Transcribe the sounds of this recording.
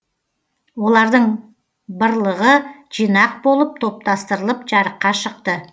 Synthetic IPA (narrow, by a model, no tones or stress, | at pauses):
wo̞lˠɑɾd̪əɴ | bəɾlˠəʁəʒ̥ijnɑq̚bo̞lˠəp̚t̪ʰo̞p̚t̪ɑst̪əɾəlˠəpʒɑɾəqːɑʃəqt̪ə